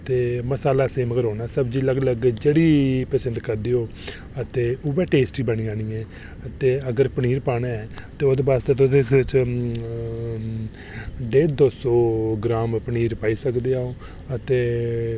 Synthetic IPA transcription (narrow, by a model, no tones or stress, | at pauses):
t̪eːməsaːlaːseːmkəɾɦoːnaːsəbd͡ʒiːləɡləɡd͡ʒeːɽiːpəsə̃nd̪kəɾd̪eːoː | ət̪eːʊbɛːʈeːsʈiːbəniːaːniːɛ̃ː | ət̪eːəɡəɾpəɳiːɾpaːnaːɛːt̪eːod̪baːst̪et̪ʊd̪et͡ʃ | ɖeːɾd̪oːsɔːɡɾaːmpəɳiːɾpaːiːsəkd̪eːaːoː | ət̪eː